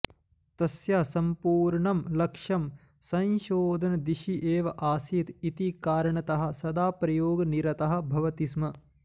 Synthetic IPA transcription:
t̪ɐsjaːsɐmpuːɾɳɐmlɐkʂɐm | sɐ̃nʃoːd̪ʱɐnɐd̪iʃiʔeːʋɐʔaːsit̪it̪ikaːɾɐɳɐt̪ɐɦɐ̆sɐd̪aːpɾɐjoːɡɐniɾɐt̪ɐɦɐ̆bʱɐʋɐt̪is̬mɐ

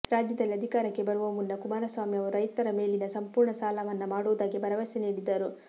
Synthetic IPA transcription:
ɾaːd͡ʒjɐd̪ɐlːiɐd̪ʱikaːɾɐkːe̞bɐɾuʋɐmunːɐkumaːɾɐsʋaːmiɐʋɐɾɐjt̪ɐɾɐme̞ːlinɐsɐmpuːɾɳɐsaːlaʋɐnːɐmaːɽuʋd̪aːɡibɐɾɐʋɐseniːɽid̪ːɐɾu

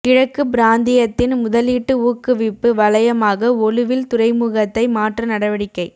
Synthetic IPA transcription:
kɪɻɐkːɯbɪɾaːnd̪ɪjɐt̪ːɪnmʊðɐliːʈːɯuːkːɯʋɪpːɯʋɐɭɐjɐmaːɣɐɔlɯʋɪlt̪ʊrɐɪmuɣɐt̪ːɐɪmaːʈrɐnɐɽɐʋɐɽɪkːɐɪ

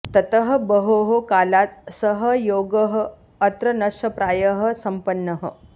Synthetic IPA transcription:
t̪ɐt̪ɐɦɐ̆bɐɦoːɦokaːlaːt͡ssɐɦɐjoːɡɐɦɐː | t̪ɾɐnɐʂɐpɾaːjɐɦɐ̆sɐmpɐnːɐɦɐ̰

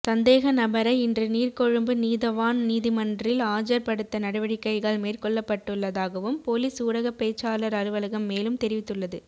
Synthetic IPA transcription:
sɐnd̪eːɣɐnɐbɐɾɐɪɪndrɯniːrkɔɻɯmbɯniːðɐʋaːnniːðɪmɐndrɪlaːd͡ʒɐɾpɐɽɯt̪ːɐnɐɽɐʋɐɽɪkːɐɪɣɐɭmeːrkɔɭːɐpːɐʈːɯɭːɐðaːɣɐʋɯmpoːliːsuːɽɐɣɐpeːt͡ʃːaːlɐɾɐɾɯʋɐlɐɣɐmːeːlɯmt̪ɛɾɪʋɪt̪ːɯɭːɐðɯ

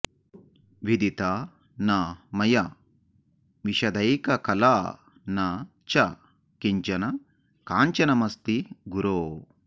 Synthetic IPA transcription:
ʋid̪it̪a | namɐjɐ | ʋiʃɐd̪ɐjkɐkɐlaː | nɐ | t͡ʃɐ | kiɲt͡ʃɐnɐ | kaːɲt͡ʃɐnɐmɐst̪iɡuɾoː

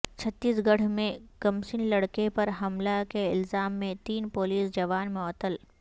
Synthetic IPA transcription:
t͡ʃʰɐt̪ːiːsɡɐɽ̤mẽkɐmsɪnlɐɽkepɐɾɦɐmlakeɪlzaːmːẽt̪iːnpoːliːsd͡ʒɐʋaːnmɔːt̪ːəl

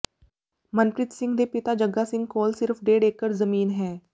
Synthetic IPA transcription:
mənpɾɪt̪sɪ̃ŋɡd̪eːpɪt̪aːd͡ʒəɡːaːsɪ̃ŋɡkoːlsɪɾpʰɖeːɖeːkːəɾzəmiːnɦɛː

